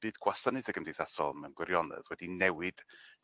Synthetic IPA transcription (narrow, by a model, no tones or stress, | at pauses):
b̥ɨːdɡ̥wasənɨðəɡəmdejθasɔ̰lˠmɛnɡwɪɾjɔnɛ̰ðwɛdinɛwɨd̥